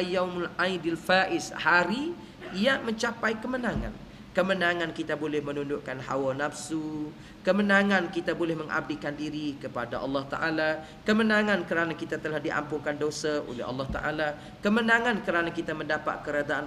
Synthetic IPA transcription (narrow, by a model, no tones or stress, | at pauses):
jawmlʔajdalfaʔɪshaɾi | jamə̃ɲt͡ʃapajkəmənãŋa̰n | kəmənaŋãnkit̪abolɛhmənundʊʔkanha̰wanafsu | kəmənãŋãnkit̪abolɛhməŋʔa̰b̚dikandiɾikəpadaʔɑ̰lːɑht̪a̰ʔala | kəmənãŋãnkəɾanakit̪at̪əlahdiʔa̰mpuŋkandosaʔo̰lɛ̰ɦɑ̰lːɑht̪a̰ʔa̰la | kəmənãŋãnkəɾanakit̪aməndapa̰t̪̚kəɾad̪aʔan